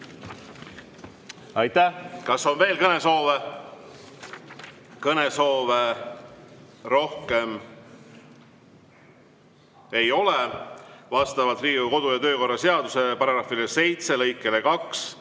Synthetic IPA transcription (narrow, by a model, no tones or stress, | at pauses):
ɑjt̪æhkɑso̞nve̞ːlkɤne̞so̞ːve | kɤne̞so̞ːve | ɾo̞hke̞m | e̞jo̞levɑst̪ɑvɑlt̪riːɡuko̞d̪̥ujɑt̪ø̞ːko̞rːɑse̞ɑd̪̥use̞pɑɾɑɡ̥ɾɑfilese̞jt̪se̞lɤjkːˑelekɑks